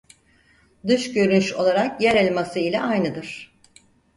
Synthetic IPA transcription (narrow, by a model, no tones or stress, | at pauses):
d̪ɯʃɟø̞ɾynyʃo̞lˠaɾakjæɾelʲmasɯilʲɛʔajnɯd̪ɯɾ̥